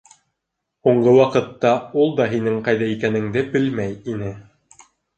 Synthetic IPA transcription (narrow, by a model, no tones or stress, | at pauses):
huɴɢɤwɑqɤ̆t̪ːɑulˠd̪ɑɦinɘŋqɑjðɑikænɘ̆ŋd̪ɘbɘlmæjinɘ